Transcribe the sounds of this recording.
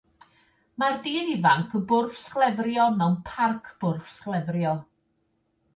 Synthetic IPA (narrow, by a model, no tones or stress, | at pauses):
mardiːnivaŋkʰəbʊrfsklˠɛvrjɔmɛwnpʰarkʰb̥ʊrfsklˠɛvrjɔ